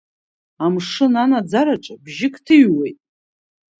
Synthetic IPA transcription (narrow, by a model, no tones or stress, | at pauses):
amʂɨnanad͡zaɾaʈ͡ʂʼabʒɪkʼtʰɨɥwejtʼ